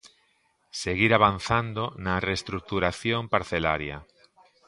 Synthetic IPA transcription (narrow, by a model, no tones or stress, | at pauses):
seɣiɾaβan̟θand̪onɐrest̪ɾuk̚t̪uɾaθjompaɾθela̰ɾjɐ̰